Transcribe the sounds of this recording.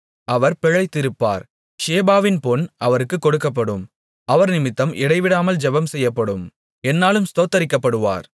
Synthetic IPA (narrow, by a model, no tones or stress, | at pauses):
ɐʋɐɾpɛɻɐɪt̪ːɪɾɯpːa̰ːɾ | ʃeːbaːʋɪnpɔnʔɐʋɐɾɯkːɯkːɔɽɯkːɐp̬ːɐɽɯm | ɐʋɐɾnɪmɪt̪ːɐmʔɪɽɐɪʋɪɽaːmɐld͡ʒɛbɐmsɛjːɐpːɐɽɯm | ɛnːaːlɯmst̪oːt̪ːɐɾɪkːɐpːɐɽɯʋa̰ːɾ